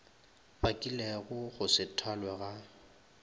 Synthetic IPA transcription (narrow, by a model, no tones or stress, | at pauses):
bakʼilɛɣʊɣʊsɪtʰalwɛɣa